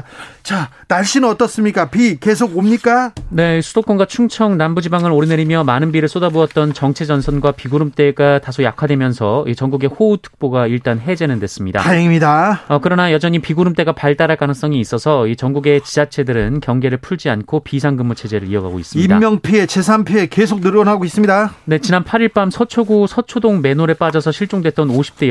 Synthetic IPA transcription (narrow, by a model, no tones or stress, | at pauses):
t͡ɕa | naɭɕ͈innʌt͈ʌs͈ɯmɲik͈apike̞s̬ʰoɡomɲik͈ane̞sʰud̥ok͈onɡwat͡ɕʰuŋt͡ɕʰʌŋnambud͡ʑibaŋɯɾoɾineɾimjʌmanɯnbiɾɯɭs͈odaboʌt̚t͈ʌnt͡ɕʌŋt͡ɕʰe̞d͡ʑʌnsʰʌnɡwapiɡuɾɯmt͈e̞ɡatasʰojakʰadwemjʌnsʰʌit͡ɕʌŋɡuɡe̞houtʰɯ̥k̚p͈oɡaiɭt͈anɦe̞d͡ʑe̞nɯndwe̞s͈ɯmɲida̰aɦeŋimɲidaʌkɯɾʌnajʌd͡ʑʌɲipiɡuɾɯmt͈e̞ɡapaɭt͈aɾaɭk͈anɯŋs͈ʌŋiːs͈ʌsʰʌit͡ɕʌŋɡuɡe̞t͡ɕid͡ʑat͡ɕʰe̞dɯɾɯnkjʌŋɡe̞ɾɯɭpʰuɭd͡ʑiankʰopis̬ʰaŋɡɯmːot͡ɕʰe̞d͡ʑe̞ɾɯɾiʌɡa̰ɡo̰is͈ɯmidamjʌŋpʰie̞t͡ɕe̞sʰanpʰiekes̬ʰok̚nɯɾʌnɦaɡois͈ɯmɲidane̞t͡ɕinanpʰaɾiɭp͈amsʰʌt͡ɕʰoɡusʰʌt͡ɕʰodoŋme̞noɾeɭp͈ad͡ʑʌsʰʌɕʰiɭt͡ɕ͈oŋdwe̞t̚t͈ʌnoɕʰi̥p̚t͈e